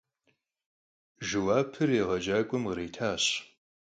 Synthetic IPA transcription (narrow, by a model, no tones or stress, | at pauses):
ʒɨwaːpʰɨreːʁɐd͡ʒaːkʷʼʊmreːtʰaːɕ